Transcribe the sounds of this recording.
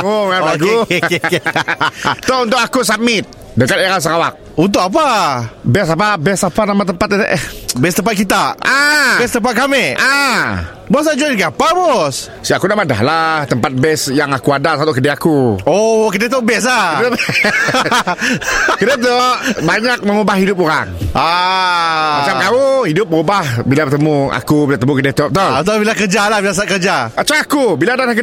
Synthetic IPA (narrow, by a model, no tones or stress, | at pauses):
oŋalaɡu | t̪ount̪ʊk̚akus̬amɪt̪̚ | dəkat̪eɾals̬əkawak̚unt̪ʊkap̬abɛs̬ap̬abɛsapanamat̪əmpat̪ʔbɛst̪əmpat̪̚kit̪aʔabɛs̬t̪əmpat̪̚kamea | bɔs̬ad͡ʒankiapabɔs | siakunamada̰hlaht̪əmpat̪̚bɛsjaŋakuadasat̪uʔkədɛakuokədet̪ɔʔbɛs̬la | kədat̪ɔʔbaɲak̚məŋubahidʊp̬̚oɾaŋa | mat͡ʃamt̪auhidʊp̚məubahbilabət̪əmua̰kubilaət̪əmukədet̪ɔp̚t̪ɔt̪abilakəd͡ʒalahbilasaʔkəd͡ʒaət͡ʃaakubilaːdalahkə